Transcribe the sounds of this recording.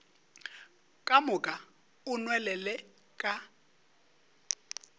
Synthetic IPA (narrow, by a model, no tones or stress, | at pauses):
kʼamʊkʼa | ʊnwɛlɛlɛ | kʼa